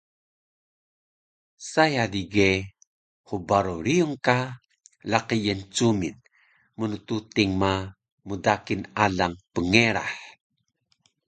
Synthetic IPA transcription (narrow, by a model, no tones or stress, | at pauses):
sajadiɡe | hubaɾuɾiuŋka | laqijənt͡sumin | munut̪ut̪iŋma | mudakinaɮaŋpəŋeɾa̰ħ